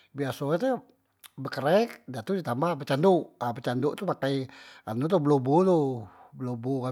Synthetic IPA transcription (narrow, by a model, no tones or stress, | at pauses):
biasot̪e | bəkəɾɛk̚dat̪udit̪ambapət͡ʃanduʔapət͡ʃanduʔt̪umakaja̰nut̪ubəlobut̪obəlobuka